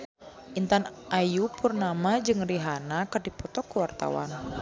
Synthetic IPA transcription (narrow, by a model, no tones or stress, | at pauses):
ʔint̪anʔajupurnamad͡ʒɨŋriɦanakərdipɔt̪ɔkəwart̪a̰wa̰n